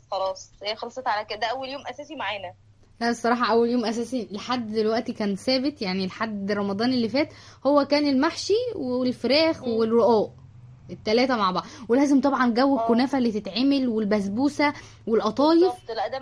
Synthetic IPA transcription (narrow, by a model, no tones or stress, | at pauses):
xɑlɑːsˤheːxɑlɑsˤːet̪ʕalækd̪æʔæwːæljoːmʔæsæːsimaʕaːnæ | læʔesˤːɑɾˤɑːħɑʔæwːæljoːmʔæs̬æːsielħad̪ːd̪elwæʔt̪ikæːnsæːbet̪jaʕnilħad̪rˤɑmɑd̪ˤɑːnelːifæːt̪howːækæːnelmaħʃiweelfeɾæːxwerːoʔæːʔ | et̪ːælæːt̪æmaʕbɑʕwelæːzemt̪ˤɑbʕɑnɡæwːekonæːfæʔlːit̪et̪ʕemelwelbæzbuːsæ | welʔɑt̪ˤɑːjeflæʔd̪æ